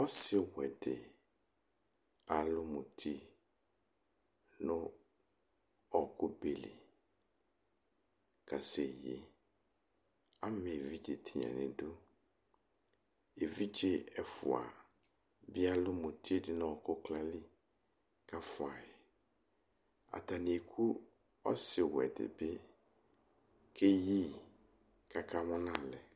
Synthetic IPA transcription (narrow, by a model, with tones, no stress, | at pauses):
ɔ˦sɪ˦wɛ˨dɪ˨ | a˨lʊ˦mʊ̃˨tʰi˦ | nʊ̃˦ | ɔ˨kʰʊ˦be˨lḭ˨ | kʰa˨sɛ˨je˨ | a˦mɪ̃˨e˨vi˦d͡ʒe˨tʰi˨ɲã̰˨nɪ̰̃˨dʊ˦ | e˨vi˦d͡ʒe˦ɛ˨fʊ̰˨a̰˨ | bɪ˦a˦lʊ˦mʊ̃˨tʰi˦e˦dɪ˦nɔ̃˦˨ɔ˨kʊ˦kla˦lɪ˦ | ka˦fʊ˨a˨ɪ˨ | a̰˨ta˨nɪ̃˨e˨kʰu˦ | ɔ˦sɪ˨wɛ̰˨dɪ̰˨bɪ˦ | kʰe˦ji˦ | kʰa˨kʰa˦mʊ̃˦nã˦˨lɛ˨